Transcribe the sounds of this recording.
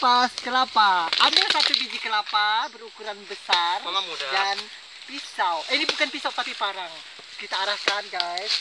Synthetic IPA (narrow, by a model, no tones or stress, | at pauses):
paskəlapaʔamisat̪ubid͡ʒikəlapabəɾukuɾanbəsaruddan | pisawʔinibukanpisawt̪apipaɾaŋ | kit̪aːɾahkanɡajs